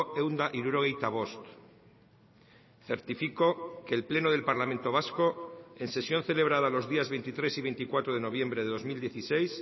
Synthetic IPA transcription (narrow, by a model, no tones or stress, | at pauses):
ewnd̪aʔiɾuɾoɣejt̪aβost̪ | θe̞ɾt̪ifiko̞ke̞ːlple̞noð̞e̞lpaɾlamẽnt̪o̞β̞asko̞e̞nse̞sjo̞nθe̞le̞β̞ɾað̞alo̞zðiazβent̪it̪ɾe̞siβe̞jnt̪ikwat̪ɾoð̞e̞no̞β̞jẽ̞mbɾeðe̞ðo̞zmild̪jeθisejs